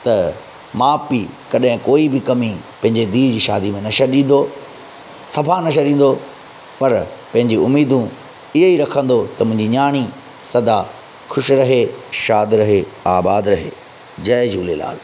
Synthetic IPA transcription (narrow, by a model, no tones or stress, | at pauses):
t̪ɐ | maːpikɐɗɦɪ̃koːibɪkɐmipɐ̃ɦɪ̃ɲd͡ʑed̪iːd͡ʑiːʃaːd̪imẽnɐʃɐɗĩːn̆d̪o | sɐbʱanɐʃ̬əɾĩːn̆d̪o | pɐɾpɐ̃ɦɪ̃ɲd͡ʑiʊmiːd̪ũ | ɪɦeiɾɐkʰə̃nd̪ot̪ɐmʊ̃ɪ̃ɲd͡ʑiɲaːɽ̃i | sɐd̪a | xʊʃɾɐɦeʃaːd̪ɾɐɦeaːbaːd̪ɾɐɦe | d͡ʑɐːd͡ʑuːlela̰ːl